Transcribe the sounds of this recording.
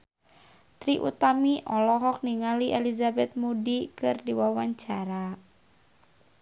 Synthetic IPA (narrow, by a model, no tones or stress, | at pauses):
t̪ɾiʔṵt̪amiʔɔlɔɦɔk̚niŋaliʔelizabɛt̪̚mudikɨrdiwawaɲt͡ʃaɾa